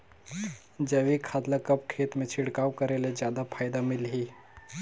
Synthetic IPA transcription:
d͡ʒəʋikʰaːd̪lakɐp̚kʰeːt̪mẽt͡ʃʰɪɽkaːwkəɾeːled͡ʒjaːd̪apʰaːɪd̪amɪlɦiː

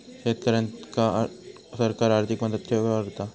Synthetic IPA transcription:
ʃeːt̪ɐɾə̃nt̪ka | sɐɾkaːɾaːɾt̪ʰɪkmɐd̪əd̪̚kʰebaɡt̪a

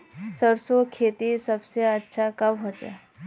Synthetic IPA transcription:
səɾsokʰet̪isəbseətːʃʰakəbɦot͡sa̰

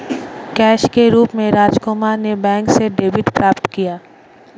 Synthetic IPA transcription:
kɛːʃkeɾuːpmẽɾaːd͡ʒkomanebɛ̃ːŋkseɖeːbɪʈpɾaːpt̪kijaː

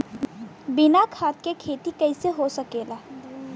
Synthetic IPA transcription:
bɪnakʰaːt̪kekʰeːt̪ikəɪseɦosəkeːla

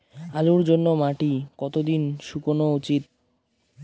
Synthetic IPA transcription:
aluɾd͡ʑonːomaʈikɔt̪od̪inʃukonout͡ɕit̪̚

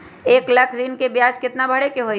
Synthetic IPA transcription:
eːklɐkʰɾiːnkebjaːd͡ʒkɪt̪nabʱɐɽekeɦoːi

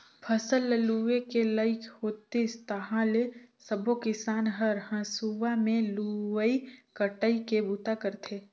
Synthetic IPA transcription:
pʰəsəlːəluʋekeləɪkʰhoːt̪est̪əɦãlesəbʱokɪsaːnɦəɾɦə̃suʋamẽluʋəikəʈəikebut̪akəɾt̪ʰeː

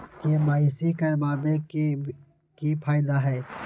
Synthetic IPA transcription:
kemaːisiːkəmaːbek | kipʰaːɪd̪aːɦɛː

